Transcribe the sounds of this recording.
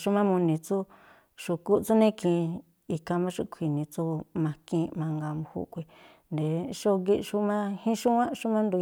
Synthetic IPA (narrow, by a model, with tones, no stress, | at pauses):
ʃu˦mã˦mũ˧nĩ˧t͡su˦ | ʂu˧ku˦˧t͡su˦nẽ˦kʰĩ˧˨˧ | i˧kã˧mã˦ʂu˦kʷʰi˨nĩ˨t͡su˦mã˧kĩ˧mã˧ŋɡa˧mũ˧hṵ˦kʷi˧ | nd̪e˨ʂo˦ɡi˦˧ʂu˦mã˦hĩ˦ʂu˦wã˦ʂu˦mã˦nd̪u˧